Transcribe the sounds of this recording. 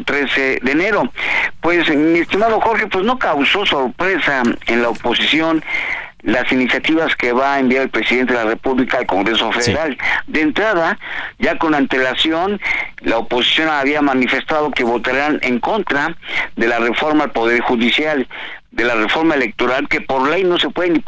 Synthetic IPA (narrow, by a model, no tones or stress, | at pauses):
t̪ɾe̞seðene̞ɾo̞pwe̞smiest̪imaðo̞xo̞ɾxe̞pwe̞zno̞kawso̞so̞ɾpɾe̞saenlaopo̞sisjo̞n | lasinisjat̪iβaske̞βaembjaɾelpɾe̞siðent̪e̞ðelare̞puβlikaːlko̞ŋɡɾeso̞feðeɾald̪e̞nt̪ɾaðaɟ͡ʝako̞nant̪e̞lasjo̞n | laopo̞si̥sjo̞naβiamanife̞st̪aðo̞ke̞βo̞t̪aɾaneŋko̞nt̪ɾaðe̞lare̞fo̞ɾmalpo̞ðe̞ɾxuðisjal | d̪e̞lare̞fo̞ɾmaele̞k̚t̪o̞ɾalke̞po̞ɾle̞jno̞se̞pweðeni